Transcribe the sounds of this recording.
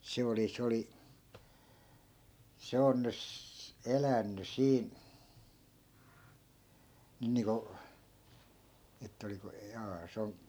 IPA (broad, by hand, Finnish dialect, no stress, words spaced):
se oli s oli se on nys elænːy siːn̞ nyn niːŋko etːæ̆ oliko jɑː se on